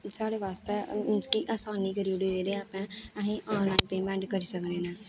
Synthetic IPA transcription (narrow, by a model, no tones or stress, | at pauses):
saːɽeːʋaːst̪eːɪnskiːʔaːsaːniːkəɾiːɽioiɾeːaːpɛ̃ːəɦĩːʔaːlaːinpeːmɛ̃ːɳɖkəɾiːsəkneːnɛ̃ː